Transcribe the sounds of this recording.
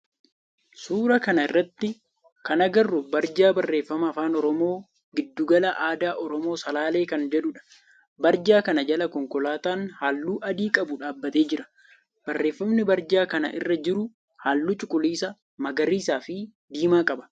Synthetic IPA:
suːɾɐkɐnɐɪrːɐt̪ːɪ | kɐnɐɡɐrːʊbɐɾd͡ʒaːbɐrːe̞ːfːɐmɐːfaːnɔɾɔmo̞ː | ɡɪd̪ːuːɡɐlɐʔaːd̪aːʔɔɾɔmo̞ːsɐlaːle̞ːkɐnd͡ʒɛᶑʊᶑɐ̥ | bɐɾd͡ʒaːkɐnɐd͡ʒɐlɐkɔŋkɔlaːt̪aːnhaːlːuːʔɐd̪iːkʼɐbʊᶑaːbːɐt̪e̞ːd͡ʒɪɾɐ̥ | b̥ɐrːe̞ːfːɐmnɪbɐɾd͡ʒaːkɐnɐ̰ʔɪ̰rːɐd͡ʒɪɾʊ | haːlːuːt͡ʃʼʊkʼʊliːsɐ | mɐɡɐɾiːsaːfɪ | d̪iːmaːkʼɐbɐ̥

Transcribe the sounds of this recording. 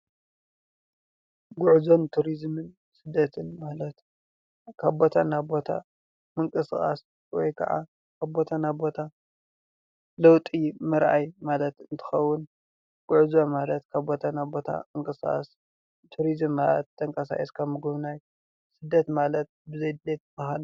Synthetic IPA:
ɡʊʕzo̞nt̪ʰuɾizmɨn | sɨd̪ːɐt̪ʰɨnmalɐt̪ | kʰaβbo̞t̪ʰanabo̞t̪ʰa̰ | mɨŋkʼɨsxʼa̰s | wɔ̰jkʰɐ̰ʕa̰ | kʰaβbo̞t̪ʰanabo̞t̪ʰa | lɐwt̪ʼimɨɾʔajmalɐt̪ɨnt̪ʰɨ̥xɐwːʊn | ɡ̥uʕzomalɐt̪kʰaβbo̞t̪ʰanabo̞t̪ʰa̰mɨŋkʼɨsxʼa̰s | t̪ʰuɾizɨmːalɐt̪ʰːɐŋkʼɐsa̰ʔiskʰamɨɡuβnaj | sɨd̪ːɐt̪malɐt̪̚bɨzɐjd̪let̪̚bahal

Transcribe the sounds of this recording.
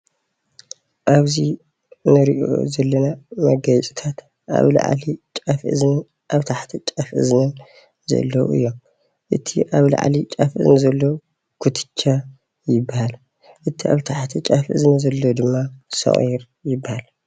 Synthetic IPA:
ʔaβzi | nɨɾiʔo̰zɐlːɐnamɐɡɐt͡ʃʼi̥t̪ʰat̪ | ʔa̰βla̰ʕa̰lit͡ʃʼafʔɨzn | ʔaβt̪ʰaħt̪ʰit͡ʃʼɐfʔɨ̰znɐ | zɐ̰lːɐwɨ̰jːom | ʔɨt̪ʰiʔaβla̰ʕa̰lit͡ʃʼɐfʔɨ̰znɨzɐlːo | kʰut̪ʰɨ̥t͡ʃːa | jɪbːahal | ʔɨt̪ʰia̰βt̪ʰaħt̪ʰit͡ʃʼɐfʔɨ̰znɐzɐlːod̪ɨmːasɐ̰χʼḭɾ | jɪbːahal

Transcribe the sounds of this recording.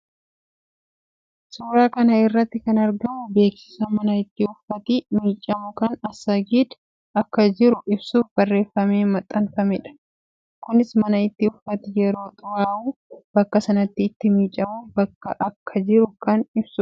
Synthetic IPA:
suːɾaːkɐnɐɪrːɐt̪ːɪkɐnɐɾɡɐmʊbe̞ːksɪ̥sɐmɐnɐɪt̪ːɪʊfːɐt̪ɪmiːt͡ʃʼɐmʊkɐnɐsːɐɡiːd̪ | ɐkːɐd͡ʒɪɾʊʔɪbsuːfbɐrːe̞ːfːɐme̞ːmɐt̪ʼːɐnfɐmɛᶑɐ̥ | kʊnɪsmɐnɐɪt̪ːɪʊfːɐt̪ɪjɛɾo̞ːt̪ʼʊwaːuːb̥ɐkːɐsɐnɐt̪ːɪːt̪ːɪmiːt͡ʃʼːɐmuːfbɐkːɐʔɐkʰːɐd͡ʒɪɾʊkɐnɪbsʊ

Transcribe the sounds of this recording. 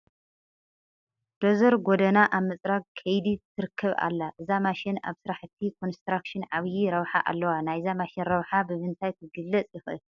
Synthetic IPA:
d̪̥ozɐɾɡod̪ɐnaʔaβmɨt͡sʼɾaɡ̚kʰɐjd̪it̪ʰːɨɾɨkʰːɐβa̰lːaʔɨzamaʃɪna̰βsɨɾaħɨt̪ʰːikʰo̞nst̪ɾakʃɪnʕaβjiɾɐβħa̰ʔa̰lːɐwanajzamaʃɪnɾɐβħabɨβɨnt̪ʰajt̪ʰɨɡɨlːɐt͡sʼjɪxɨ̰l

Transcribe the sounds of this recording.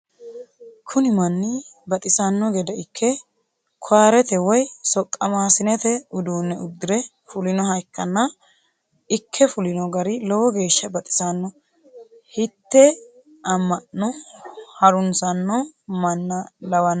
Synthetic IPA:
kʰʊnɪmɐnːɪbɐt̪ʼɪsɐnːɔɡɛd̪ɐɪkʰːɛ | kʰaːɾɛt̪ɛwɔjsɔkʼːɐmaːsɪnɛt̪ɛʊd̪uːnːɛʊd̪ːɪɾɛ | fʊlɪnɔɦɐjkːɐnːɐ | ɪkʰːɛfʊlɪnɔɡɐɾɪlɔwɔɡe̞ːʃːɐbɐt̪ʼɪ̥sɐnːɔ | hɪt̪ːɛ | ɐmːɐʔɔhɐɾʊnsɐnːɔmɐnːɐlɐwɐnːɐ

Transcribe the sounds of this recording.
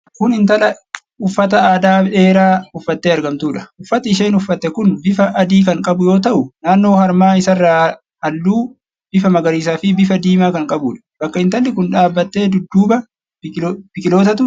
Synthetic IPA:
kʊnɪnt̪ɐlɐ | ʊfːɐt̪ɐaːd̪aːᶑe̞ːɾaːʊfːɐt̪ːeːɐɾɡɐmt̪uːᶑɐ̥ʊfːɐt̪ɐɪʃeːnʊfːɐt̪ːɛkʊnbɪfɐʔɐd̪iːkɐŋkʼɐbʊjo̞ːt̪ɐʔʊnaːnːo̞ːhɐɾmaːɪsɐrːaː | ɐlːuː | b̥ɪfɐmɐɡɐɾiːsaːfɪbɪfɐd̪iːmaːkɐŋkʼɐbuːᶑɐ̥b̥ɐkːɐɪnt̪ɐlːɪkʊnᶑaːbːɐt̪ːe̞ːd̪ʊd̪ːuːbɐ | b̥ɪkʼɪlo̞ːt̪ɐt̪ʊ

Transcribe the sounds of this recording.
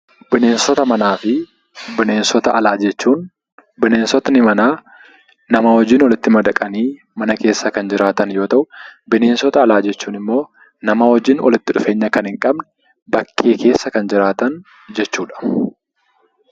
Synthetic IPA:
bɪne̞ːnsɔt̪ɐmɐnaːfɪ | bɪne̞ːnsɔt̪ɐʔɐlaːd͡ʒɛt͡ʃːuːn | bɪne̞ːnsɔt̪nɪmɐnaː | nɐmɐhɔd͡ʒɪːnwɔlɪt̪ːɪmɐd̪ɐkʼɐniː | mɐnɐke̞ːsːɐkɐnd͡ʒɪɾaːt̪ɐnjo̞ːt̪ɐʔʊbɪneːnsɔt̪ɐɐlaːd͡ʒɛt͡ʃːuːnɪmːo̞ː | nɐmɐhɔd͡ʒɪnwɔ̰lɪt̪ːɪᶑʊfe̞ːɲːɐkɐnhɪŋkʼɐbnɛ̥ | bɐkʰːeːke̞ːsːɐkɐnd͡ʒɪɾaːt̪ɐn | d͡ʒɛt͡ʃːuːᶑɐ̥

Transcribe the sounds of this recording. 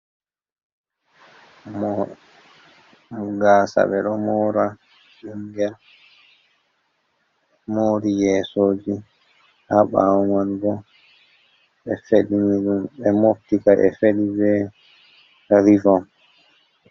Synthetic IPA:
m | muɡaːsa̰ɓɛɗɔmɔːɾa | ʔiŋɡɛl | moːɾijɛːsoːd͡ʒi | haɓa̰manɡɔ | ɓɛfeɗiniɗumɓɛmoftikaʔɛ̰feɗibɛ | aɾivɔm

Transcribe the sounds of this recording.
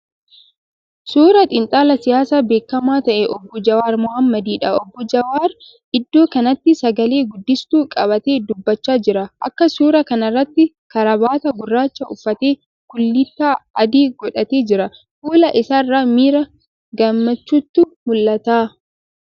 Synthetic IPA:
suːɾɐt̪ʼɪnt̪ʼaːlɐsɪjaːsaːbe̞ːkːɐmaːt̪ɐʔɛʔɔbːɔd͡ʒɐwaːɾmʊhɐmːɐd̪iːᶑɐɔbːɔd͡ʒɐwaːɾ | ʔɪd̪ːo̞ːkɐnɐt̪ːɪsɐɡɐle̞ːɡʊd̪ːɪst̪uːkʼɐbɐt̪e̞ːd̪ʊbːɐt͡ʃːaːd͡ʒɪɾɐʔɐ̰kːɐsuːɾɐkɐnɐrːɐt̪ːɪ | kɐɾɐbaːt̪ɐɡʊrːaːt͡ʃːɐʊfːɐt̪e̞ː | kʊlːɪt̪ːaːɐd̪iːɡɔᶑɐt̪e̞ːd͡ʒɪɾɐ | fuːlɐʔɪsaːrːaːmiːɾɐ | ɡɐmːɐt͡ʃːuːt̪ːʊmʊlːɐt̪aː

